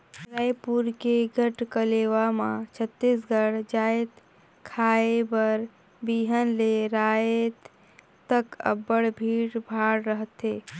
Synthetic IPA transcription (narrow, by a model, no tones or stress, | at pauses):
ɾajpuɾkeɡʱəʈkəleːʋamãt͡ʃʰət̪ːisɡʱəɽ̤d͡ʒaːt̪ | kʰaːebəɾ | biːɦənleɾaːet̪ | t̪əkə̰bəɽbʱiːɽbʱaːɽɾəɦət̪ɦeː